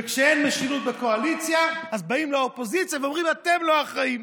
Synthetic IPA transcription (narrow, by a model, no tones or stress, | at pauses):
kʃɛejnmɛʃiɾut̪̚bɪkoalit͡sjaazbaimlaɔpozit͡sjavɔmʁimat̪ɛmloaχaim